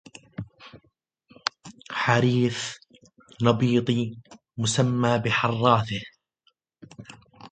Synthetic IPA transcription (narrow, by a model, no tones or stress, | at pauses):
ħaɾiːθ | nɑbiːt̪ˤi | mʊsamːaːbɪħɑrˤːɑːθɪh